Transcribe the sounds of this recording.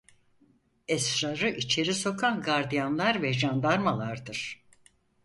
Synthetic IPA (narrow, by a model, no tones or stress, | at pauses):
ɛsɾaɾɯʔit͡ʃʰe̞ɾiso̞kʰanɡaɾd̪ijanlˠaɾvɛʒand̪aɾmalˠaɾd̪ɯɾ̥